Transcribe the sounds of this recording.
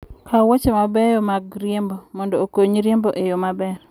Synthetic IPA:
kʰawot͡ʃemabɛjɔmaɡɾjembɔmɔndɔokoɲɾjemboʔejomabɛr

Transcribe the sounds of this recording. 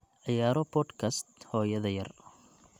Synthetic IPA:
ʕɪjaːɾɔbʰɔd̪kʰɐst̪hɔːjɐðɐjɐr

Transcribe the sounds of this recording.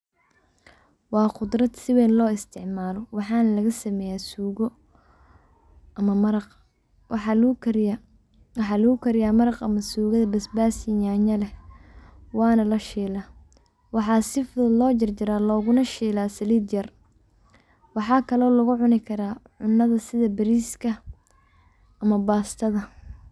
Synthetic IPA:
wɑːqʊd̪rɐd̪sɪwɛːnlɔːɪst̪ʰɪʕmaːlɔwɑħɑːnɐlɐɣɐsɐmɛːjaːsuːɣɔ | ɐmɐmɐɾɑq | wɑħɑːlɐɣʊkʰɐɾɪjaːmɐɾɑqɐmɐsuːɣɐðɐbɐsbaːsɪɲaːɲɐlɛ | wɑːnɐlɐʃiːlaː | wɑħɑːsɪfʊðɐlɔːt͡ʃɐrt͡ʃɪɾaːlɔːɣʊnɐʃiːlaːsɐliːd̪jɐr | wɑħɑːkʰɐlɔːlɐɣʊʕʊnɪkʰɐɾaːʕʊnːɐðɐsɪðɐbɐɾiːskʰɐ | ɐmɐbaːst̪ʰɐðɐ

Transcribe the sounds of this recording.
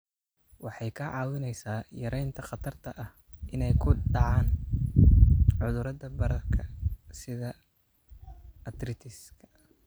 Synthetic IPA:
wɑħɑjkʰɐʕɑːwɪnɛjsaːjɐɾɛjnt̪ʰɐqɑt̪ʰɐrt̪ʰɐʔɐh | ʔɪnɛjkʰʊɖɑʕɑːn | ʕʊðʊɾɐd̪ɐbɐɾɐrkʰɐsɪðɐ | ɐd̪rɪt̪ʰɪskʰɐ̥

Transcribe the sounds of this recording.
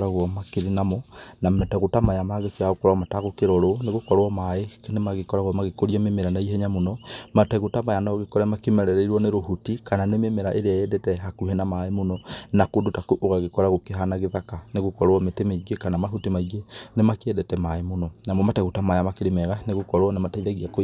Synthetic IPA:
ɾaɣwɔmakeɾinamɔnamɛtɛɣotamajamaɣekeɣaɣokɔɾaɔmataɣokeɾɔɾoneɣokɔɾoɔmaeknemaɣekɔɾaɣwɔmaɣekoɾiamemeɾanaiɦɛɲamonɔmatɛɣotamajanaɣekɔɾɛmakemɛɾɛɾɛiɾwɔneɾoɦutikananememeɾaʔeɾeajɛdɛtɛɦakuhɛnamaemonɔnakodotakuʔoɣaɣekɔɾaɣokeɦanaɣeðakaneɣokɔɾwɔmetemeɡekanamaɦutimaiɡenemakeɛdɛtɛmaemonɔnamɔmatɛɣotamajamakeɾemɛɣaneɣokɔɾwɔnemataiɾaɣiako

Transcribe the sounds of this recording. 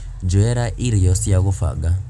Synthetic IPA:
d͡ʒɔeɾaʔiɾijɔsjaɣufa̰ɡa

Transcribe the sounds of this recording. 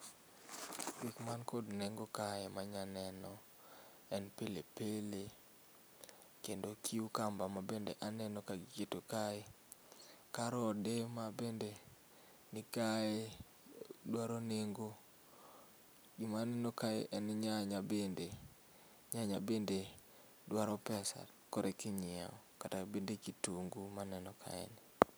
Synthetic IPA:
ɡikmankodneŋɡokaemaɲanɛnɔ | ɛnpelepele | kendokʰiukambamabendeʔanɛnɔkaɡɪketokae | kaɾɔdemabende | nɪkae | dwaɾoneŋɡo | ɡɪmanɛnɔkaḛʔɛnɲaɲabende | ɲaɲabende | dwaɾɔpɛsa̰ | kɔɾʔekɪɲɪa̰ɔkatabendekituŋɡumanɛnɔkʰa̰ḛnɪ

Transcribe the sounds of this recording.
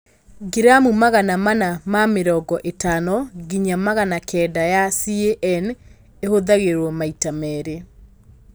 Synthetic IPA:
ɡiɾamumaɣanamanamameɾɔɡɔʔetanɔɡiɲamaɣanakʰɛːdajasieʔɛn | ehoðaɣeɾwɔmaitamɛɾe

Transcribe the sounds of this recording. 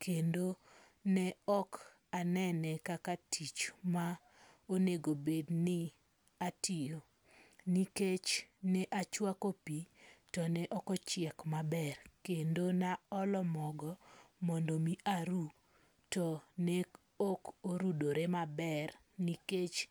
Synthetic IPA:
kʰendo | nɛɔk | anɛnɛkakatʰit͡ʃma | oneɡobednɪ | atijo | niket͡ʃnɛʔat͡ʃwakopitɔnɛʔɔkɔt͡ʃɪɛkmabɛrkendonaɔlɔmɔɡɔmɔndomiʔaɾu | tɔnɛ | okoɾudoɾemabɛr | niket͡ʃ

